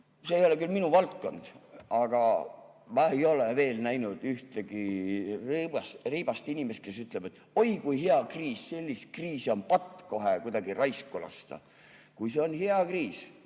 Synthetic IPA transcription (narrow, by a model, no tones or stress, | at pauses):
seːjo̞le̞kylminuvɑlt̪̚ko̞̰nd̪̥ʔɑɡ̥ɑ | mɑːe̞jo̞leve̞ːlnæjnud̪̥yht̪eɡ̥iribɑsriːb̥ɑst̪inʲime̞st̪̚ke̞syt̪ˑle̞b̥et̪ːˑ | o̞jkujɦeɑkriːsse̞lʲːist̪̚kriːsio̞npɑt̪ːˑko̞ɦekujd̪ɑɡ̥irɑjskulɑ̰st̪ɑ̰ | kujse̞o̞nheɑkriːs